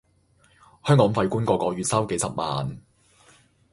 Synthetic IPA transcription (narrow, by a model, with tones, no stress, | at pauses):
hœː˥ŋkɔː˨˥ŋfɐ˧jkuː˥nkɔː˧kɔː˨˥ɥyː˨t̚sɐ˥wke˨˥jsɐ˨p̚ma̰ː˨n